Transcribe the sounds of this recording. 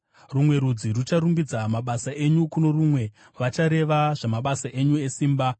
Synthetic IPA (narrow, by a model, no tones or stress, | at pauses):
rumwe̞ɾud͡zirut͡ʃaɾumbid͡zamaɓasaʔe̞ɲukuno̞rumwe̞ | ʋat͡ʃaɾe̞ʋaʐamaɓasaʔeɲue̞siːmba